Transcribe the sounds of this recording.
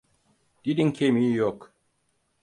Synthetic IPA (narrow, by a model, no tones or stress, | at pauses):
d̥idiŋkʰʲemijɔk